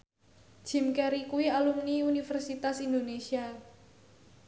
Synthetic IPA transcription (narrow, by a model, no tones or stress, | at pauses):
d̥ʒ̥i̤mkɛɾikuwialumniunifɛrsit̪asind̪onesia